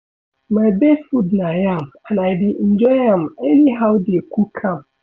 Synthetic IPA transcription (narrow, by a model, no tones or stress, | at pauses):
mãbesfudnãjamanãdin̩d͡ʒɔjamɛniɦawdɪekʰukʰãm